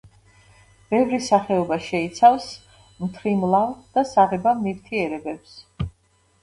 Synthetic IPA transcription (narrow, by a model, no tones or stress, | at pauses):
b̥ɛvɾisaχɛɔbaʃɛit̪sʰafs | mt̪ʰɾimlˠamd̪̥asaʁɛbamniɾt̪ʰiɛɾɛbɛps